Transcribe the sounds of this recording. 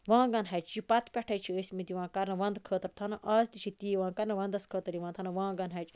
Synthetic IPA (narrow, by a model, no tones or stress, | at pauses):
ʋãːɡɐnɦɐt͡ʃt͡ʃipɐt̪ʰpʲɛʈʰɐjt͡ʃʰiəsʲmid̪iʋãːkɐɾnɐʋɐnd̪kʰəːt̪əɾt̪ʰɐnɐʔɐːst̪it͡ʃʰit̪iːʋãːkɐɾnɐʋɐ̃nd̪ɐskʰəːt̪ɐɾiʋãːnt̪ʰɐnɐʋãːɡɐnɦɐt͡ʃ